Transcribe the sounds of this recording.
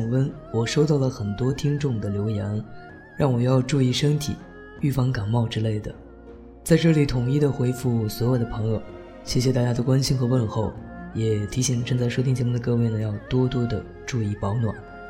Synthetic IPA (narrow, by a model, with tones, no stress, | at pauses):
ŋwə˥n | wɔ˨˩ʂo˥ʊt̪ɑ˥˩ʊlə˩xə˨˩nt̪wɔ˥t̪ʰi˥ŋʈ͡ʂʊ˥˩ŋd̪ə˩ljo˧˥ʊjɛ˧˥n | ɻɑ˥˩ŋwɔ˨˩jɑ˥˧ʊʈ͡ʂu˥˧i˥˩ʂə˥ŋt̪ʰḭ˨˩˦ | y˥˩fɑ˥˩ŋka˨˩nmɑ˥˩ʊʈ͡ʂɻ̩˥le˥˩ɪd̪ə̰˩ | t͡sa˥˧ɪʈ͡ʂɤ˥˩li˨˥t̪ʰʊ˨˩ŋi˥˩d̪ə˨xwe˧˥ɪfu˥˩swɔ˧˥jo˨˩ʊd̪ə˦˥pʰɤ˧˥ŋjo˨˧ʊ | ɕjɛ˥˩ɕjɛ˨˧t̪a˥˩t͡ɕja˥o˧kwa˥nɕi˥nxɤ˧˥wə˥˧nxo˥˩ʊjɛ˨˩t̪ʰi˧˥ɕi˨˩ŋlə˦ʈ͡ʂɤ˥˧ŋt͡sa˥˩ɪʂwo˥t̪ʰi˥ŋt͡ɕjɛ˧˥m˥˧d̪ə˩kɤ˥˧we˥˩ɪnə˩jɑ˥˩ʊt̪wɔ˥t̪wɔ˥d̪ə˨ | ʈ͡ʂu˥˧i˥˩pɑ˧˥ʊnwa̰˨˩˦n